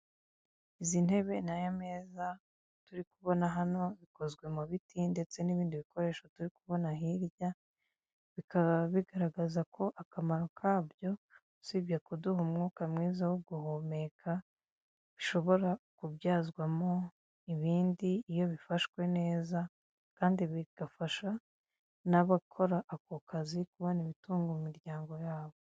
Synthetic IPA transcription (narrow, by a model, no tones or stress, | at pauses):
izin̥e̞βe̞najomeːza | tuɾikuβo̞naɦano̞βiko̞zɡwe̞muβitinde̞t͡se̞niβiːndiβiko̞ɾe̞ːʃotuɾikuβo̞naɦiɾja | βikaβaβiɡaɾaɡazakʰo̞ʔakamaɾo̞kʰaːbjo̞ | sibjakuduhumŋuːkamŋiːzawoɡuhoːme̞kʰa | βiʃo̞βo̞ɾakubjaːzɡwamo̞ | iβiːndiːjo̞βifaʃkwe̞ne̞ːza | kaːndiβiɡ̥afaʃa | naβakʰo̞ɾaʔːkokazikuβo̞niβituːŋɡumumiɾɟaːŋɡo̞jaːβo̞